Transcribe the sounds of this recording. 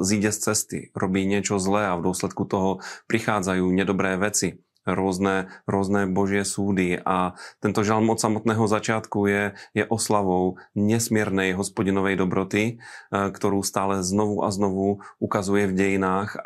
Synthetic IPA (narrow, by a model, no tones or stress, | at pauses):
ziːɟɛst͡sɛst̪ɪ̰ɾobiːɲɛt͡ʃozlɛːavdwɔslɛt̪̚kut̪oɦɔpɾɪxaːd͡zajuːɲɛdobɾɛːvjɛt͡sɪ | ɾɔznɛːɾɔznɛːboʒɪɛsuːdɪʔat̪ɛnt̪oʒalmʔot̪samot̪nɛːɦozat͡ʃɪaːt̪kujɛjɛʔoslavowɲɛsmɛɾnɛjɦospoɟinovɛjdobɾot̪ɪkt̪oɾuːst̪aːlɛznovuʔa̰znovuʔukazujɛvɟɛjinaːx